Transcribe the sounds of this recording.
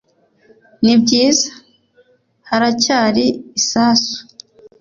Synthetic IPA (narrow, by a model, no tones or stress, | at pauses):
nib̚ɟiːzḁ | haɾacaːɾiːsaːsu̥